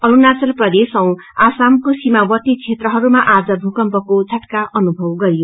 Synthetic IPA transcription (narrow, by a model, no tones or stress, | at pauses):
ʌɾunat͡sʌlprʌd̪esʌw̃asamkosimawʌt̪it͡sʰet̪rʌɦʌɾumaʔad͡zʌbʱukʌmpʌkot͡sʰʌʈkaʔʌnubʱʌwɡʌɾijo